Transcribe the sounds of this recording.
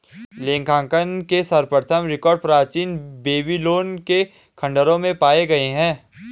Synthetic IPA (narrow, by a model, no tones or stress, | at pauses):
lẽːŋkʰãːkənkesɐɾpəɾt̪ʰəmɾɪkɔːɾɖ̚pɾaːt͡ʃiːnbeːbiloːnke | kʰɐ̃ɳɖəɾõmẽpaːeɡɐeɦɛ̃ː